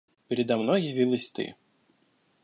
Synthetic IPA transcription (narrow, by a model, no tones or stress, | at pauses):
pʲɪɾʲɪd̪ɐmnojjɪvʲilˠəsʲt̪ɨ̰